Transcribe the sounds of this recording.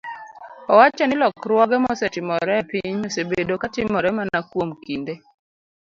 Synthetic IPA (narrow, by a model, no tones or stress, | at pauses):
ɔwat͡ʃɛnɪlɔkɾwɔɡɛmɔsɛtɪmɔɾɛpiɲosebedokatɪmɔɾɛmanakwomkinde